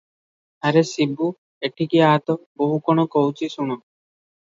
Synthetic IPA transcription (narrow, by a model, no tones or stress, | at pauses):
aɾesibːu | eʈʰikiaːt̪oboɦukɔnokowt͡ɕisuno